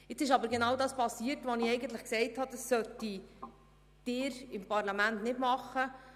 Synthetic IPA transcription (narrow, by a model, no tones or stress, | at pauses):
ɪt͡sɪʃɑbəɾɡenɑwdɑːspɑsiːrtʋɔniɛɪɡən̩t̪ləχksɛɪthɑd̥̪ɑsːœtːi | d̥ɪːɾɪmpɑɾlɑmæntnɪtmɑχːə